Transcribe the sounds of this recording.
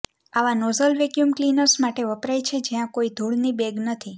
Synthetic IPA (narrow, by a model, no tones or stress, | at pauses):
aʋanozəlʋɛkjumklinəɾsmaʈeʋəpɾajt͡ʃʰed͡ʒejãkoid̪ʱuɭnibeɡnət̪ʰi